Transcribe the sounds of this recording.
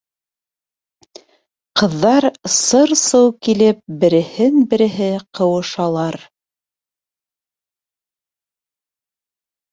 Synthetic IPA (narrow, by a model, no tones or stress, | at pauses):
qɤ̆ðːɑɾsɤɾsɤwkilɘp̚bɘ̆ɾɘ̆hɘnbɘ̆ɾɘ̆ɦɘqɤ̆wɤ̆ʃɑlˠɑɾ